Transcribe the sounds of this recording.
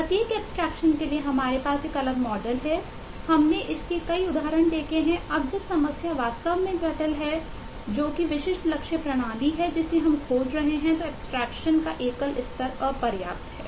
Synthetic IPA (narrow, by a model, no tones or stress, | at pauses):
pɐt̪iːkɛːpsʈɾɛːkʃənkelieɦɐmaːɾepaːseːkɐləbmɔːɖəlɦɛ | hɐmneʔɪskekɐiʊd̪ʱaːɾəɽ̃d̪eːkʰeɦɛ̃ʔɐb̚d͡ʒosɐməsjaʋaːt̪st̪əʋmẽkɐʈəlɦɛ | d͡ʒoːkiʋɪʃɪʃʈlɐkʃəpɾɐɽ̃aːliɦɛd͡ʒɪseɦɐmkʰoːd͡ʒɾɐɦeɦɛ̃t̪oɛːpsʈɾɛːkʃənkaʔeːkəlɪst̪əɾɔːɾpɐɾja̰ːp̚t̪ɦɛ̰ː